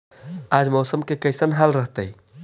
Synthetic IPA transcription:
ad͡ʒmɔsəmkekəjsənɦalɾəɦt̪əj

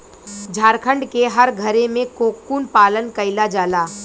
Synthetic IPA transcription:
d͡ʒʱaːɾkʰə̃ɳɖkeɦɐɾɡʱɐɾemẽkoːkːuːnpaːlənkɐɪlad͡ʒaːlaː

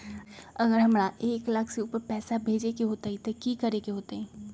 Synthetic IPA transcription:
ɐɡəɾɦɐmɾaʔeːklɐkʰseuːpəɾpɛːsabʱeːd͡ʒekeɦoːt̪aɦit̪okiːkɐɾeːkeɦoːt̪aɦɛː

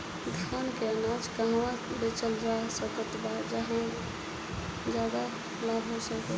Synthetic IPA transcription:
d̪ʱankeənad͡ʒkəɦwãbet͡ʃəlɾaɦsəkət̪bad͡ʒaɦã | d͡ʒjad̪a | labɦosəkɛ

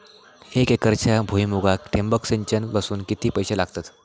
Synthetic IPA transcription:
ekekəɾt͡ɕʰabʱuimuɡakʈʰembəkseɲt͡ɕənʋasuːnkit̪iːpəjɕelaɡt̪at̪

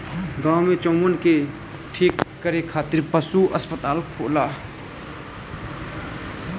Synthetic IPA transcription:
ɡawmet͡ʃõmənke | ʈʰikːəɾekʰaːt̪iɾpəsuəspət̪aːlkʰoʔla

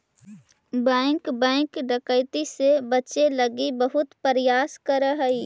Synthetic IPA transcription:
bɛ̃ːŋkbɛ̃ːŋkɖəkəɪt̪isebɐt͡ʃelɐɡibəɦʊt̪pəɾjaːskəɾəɦəi

